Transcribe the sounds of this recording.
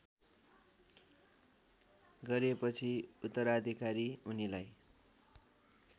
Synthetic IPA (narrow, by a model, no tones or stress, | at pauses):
ɡʌɾepʌt͡sʰiut̪ːʌɾad̪ʱikaɾiunilaj